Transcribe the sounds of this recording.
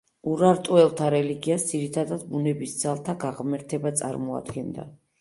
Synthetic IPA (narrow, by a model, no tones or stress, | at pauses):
uɾaɾt̪ʼɔɛlˠt̪ʰaɾɛliɡiasd̪ziɾit̪ʰad̪ad̪bunɛbisd̪zalˠt̪ʰaɡaʁmɛɾt̪ʰɛbat̪sʼa̰ɾmɔa̰d̪ɡɛnd̪a̰